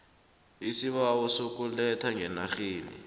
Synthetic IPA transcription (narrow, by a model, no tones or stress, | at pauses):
isiɓawɔsok̬ʼulɛtʰaŋɛnaxiːlḭ